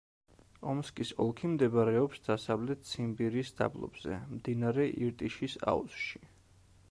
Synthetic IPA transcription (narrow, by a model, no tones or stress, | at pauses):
ɔmskʼisɔlˠkʰimd̪ɛbaɾɛɔpsd̪̥asavlɛt̪̚t̪sʰimbiɾiːsd̪̥a̰blˠɔ̰bz̥ɛ̰md̪inaɾɛʔiɾt̪ʼiʃisa̰ṵsʃi̥